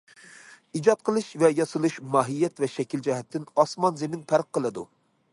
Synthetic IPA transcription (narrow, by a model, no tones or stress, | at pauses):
id͡ʒɑt̪̚qʰəlˠɨʃvɛjɑsɨlˠɨʃmɑːɦijːɛt̪vɛʃɛkʲild͡ʒɛɦɛt̪ʰːɪnɑsmɑnzemɪnpʰæɾqːəlˠɨd̪u